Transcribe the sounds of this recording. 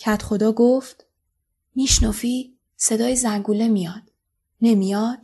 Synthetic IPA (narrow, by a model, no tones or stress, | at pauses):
cʰæt̪χo̞d̪ɒːɡoft̪ | miːʃnofiː | se̞d̪ɒːjezæŋɡuːle̞mijɒːd̪̥ | ne̞mijɒːd̪̥